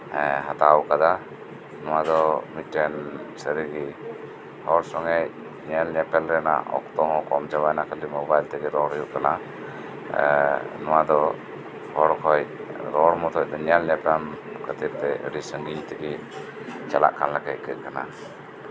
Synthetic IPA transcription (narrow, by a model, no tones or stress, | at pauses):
ɦat̪awkad̪a | nɔwad̪ɔmiʈːɛnsəɾiɡi | hɔɾsɔŋɛc | ɲɛlɲɛpɛlɾɛna̰ʔɔ̰kt̪ɔɦɔ̃kɔmd͡ʒabajnakəlimɔbajlt̪ɛɡɛɾɔɽjuʔkana | nɔwad̪ɔ | hɔɾkʰɔjɾɔɽmɔt̪ʰɔc̚d̪ɔɲɛlɲɛpɛm | kət̪iɾ̚t̪ɛə̰ɾisəŋɡiɲt̪ɛɡi | t͡ʃala̰ʔkanlakɛckəʔ̪̚kana